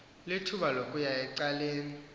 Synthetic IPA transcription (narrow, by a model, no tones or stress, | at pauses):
litʰuɓalokʼujajɛǀaleːni